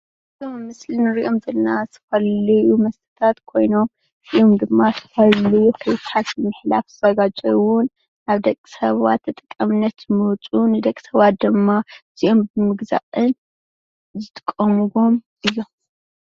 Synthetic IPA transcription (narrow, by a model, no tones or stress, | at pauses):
tommːɨslinɨɾiʔo̞mzɐlnazɨ̥fɐlɐjumɐst̪ʰɐ̥t̪ʰat̪kʰo̞jno̞m | iʔomd̪ɨmːasɨ̥fɐllujufʰɐjt̪ħat̪ɨmɨħlafzɨzɐɡad͡ʒʼɐwʊn | naβd̪ɐkʼi̥sɐβa̰t̪ʰːɐt̪ʼɨ̥kʼːɐmɨnːɐt̪mowt͡sʼunɨd̪ɐkʼːisɐβat̪̚d̪ɨmːaɨz̥iʔo̞mbɨmɨɡza̰ʔɨn | zɨt̪ʰʼɨ̥kʼːɐmɨβo̞m | ʔɨjːo̞m